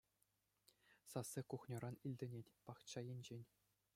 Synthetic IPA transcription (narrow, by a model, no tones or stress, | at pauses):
sɑsːɘkuχnʲɤ̆ɾɑnilʲdʲɘ̆nʲetʲpɑχt͡ɕːɑjenʲd͡ʑenʲ